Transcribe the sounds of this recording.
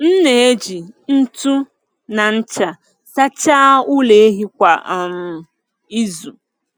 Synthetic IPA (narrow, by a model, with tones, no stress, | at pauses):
n̩˦ne˨e˦d͡ʒi˨n̩˦tu˦ | na˨n̩˦t͡ʃa˨ | sa˦t͡ʃaː˦u˦le˨e˦ɦi˦kʷa˨m̩˨ | i˦zu˨